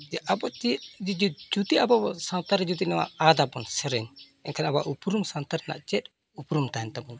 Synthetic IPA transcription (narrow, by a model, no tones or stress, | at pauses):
d͡ʒɛʔabɔt͡ʃit̪̚d͡ʒid͡ʒud͡ʒut̪iabɔbɔsant̪aɾɛd͡ʒut̪inɛwa̰ad̪abɔnsɛɾɛn | ɛnkʰanabaʔupɾumsant̪aɾna̰ʔt͡ʃɛt̪̚ | upɾumt̪aɛnt̪amu